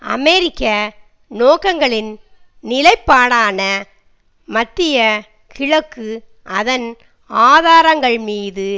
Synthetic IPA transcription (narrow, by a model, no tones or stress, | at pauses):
ɐ̰mɛɾɪkːɐ | noːkɐŋɡɐɭɪn | nɪlɐɪpːaːɽaːnɐ | mɐt̪ːɪjɐ | kʰɪɭɐkːɯ | ʔɐðɐn | aːðaːɾɐŋɡɐɭmiːðɯ